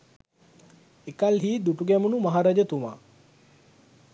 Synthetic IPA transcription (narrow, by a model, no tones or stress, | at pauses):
ekalɦiːd̪uʈuɡɛmunumaɦaɾad͡ʒət̪uma̰ː